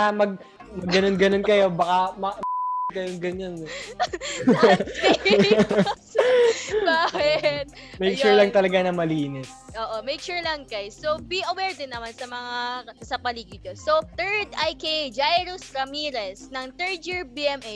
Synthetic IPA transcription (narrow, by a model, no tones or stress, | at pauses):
amɐɡ̚ | mɐɡːɐnonɡɐnonkɐjo̞bɐkamɐɡd̪kɐjoŋɡɐɲan | baːkɪt̪̚ | mɛjkʃuɹlɐŋt̪ɐlɐɡanɐmɐliːnɪsʔoːʔomɛjkʃuɹlɐŋkɐjsobiʔɐwɛːɹd̪ɪnːɐmansɐmɐŋasɐpɐliːɡɪɲosot̪ɛɹd̪ajked͡ʒajɾʊsɾɐmiːɾɛsnɐŋt̪ɛɹd͡ʒiɹbiɛmʔe